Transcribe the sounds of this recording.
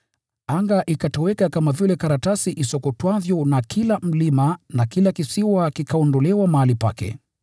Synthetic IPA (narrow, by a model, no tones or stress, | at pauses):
aŋɡaʔikatɔwɛkakamavilɛkaɾatasiʔisɔkɔtwavjɔnakʰilam̩limanakilakisiwakikaɔndɔlɛwamaalipa̰kɛ̰